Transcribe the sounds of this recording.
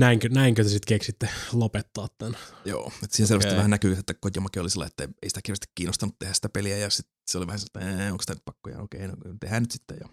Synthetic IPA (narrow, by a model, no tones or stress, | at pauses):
næiŋkønæiŋkøt̪esit̪keksit̪ːelopet̪ːɑːt̪t̪ænjo̰ːet̪ːsiːhenselʋæstiʋæhænækykset̪ːækotjɑmɑkio̰lisilːɑ̰iet̪ːæḛisi̥t̪æ̥kirʋæst̪i̥kkiːnːost̪ɑnut̪t̪ehæsi̥t̪æpeliæjɑsit̪seoliʋæhænslt̪ːæeːoŋksi̥t̪ænyt̪pɑkːojɑ̰o̰keinokt̪ehæːnyt̪si̥t̪ːḛjɑ̰